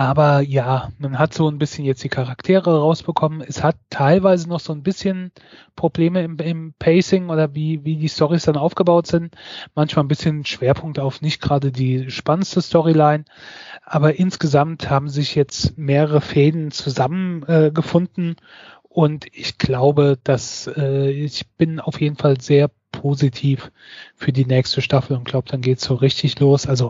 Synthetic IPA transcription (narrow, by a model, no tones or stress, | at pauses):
ʔaːbɐjaːmanɦatz̥oːnbɪsçənjɛt͡std̥iːkʰaʁaktʰeːʁəʁaʊsb̥əkʰɔmənɛshatʰːaɪlvaɪzənɔχz̥oːnbɪsçən | pʁ̥obleːməɪmɪmpʰɛɪsɪŋoːdɐviːviːdiːstʰɔʁisd̥anaʊfɡ̥əbaʊtz̥ɪntmançmalnbɪsçənʃv̥eːɐpʰʊŋk̚taʊfnɪçt̚ɡ̥ʁaːdədiːʃpanənstəstɔʁilaɪn | ʔaːbɐʔɪnsɡ̥əzamthaːbm̩zɪçjɛt͡stmeːʁəʁəfeːdənt͡suzamənʔɛːɡəfʊndn̩ | ʔʊntɪçɡ̥laʊbəd̥asɛːɪçb̥ɪnaʊfjeːdn̩falzeːɐpʰozitʰiːf | fyːɐdiːnɛːçstəʃtafl̩ʊntɡ̥laʊbəd̥anɡeːtsz̥oːʁɪçtʰɪçloːsʔalzo